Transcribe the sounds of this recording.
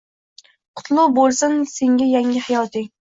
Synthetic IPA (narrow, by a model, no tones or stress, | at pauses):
qʰʊ̥t̪lˠʊbolˠsɪnseŋɡʲæjaŋʲɪhajɒt̪ʰɪŋ